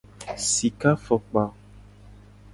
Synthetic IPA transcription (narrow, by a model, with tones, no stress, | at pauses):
si˨ka˦fɔ˨k͡pa˨